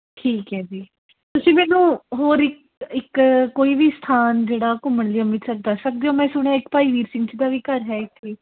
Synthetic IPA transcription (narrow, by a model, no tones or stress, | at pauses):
ʈʰiːkɦɛːd͡ʒiː | t̪ʊsĩːmɛːnũːɦoːɾɪk̚ | ɪkkoːiːʋiːst̪ʰaːnd͡ʒeːɽaːkʊməɳliaːmɪʈsək̚d̪asək̚d̪eːoːmɛ̃ːsʊɽ̃jaːɪkpaːiːʋiːɾsɪ̃ŋɡt͡ʃd̪aːʋiːkəɾɦɛːɪt̪ʰːeː